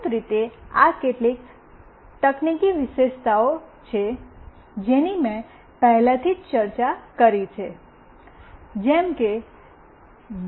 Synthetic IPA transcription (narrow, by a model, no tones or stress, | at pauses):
t̪ɾit̪ea̰keʈlik | t̪əknikiʋɪʃeʃt̪ʰaot͡ʃʰe | d͡ʒenimẽ | pəɦlat̪ʰid͡ʒt͡ʃəɾt͡ʃakəɾit͡ʃʰe | d͡ʒɛmke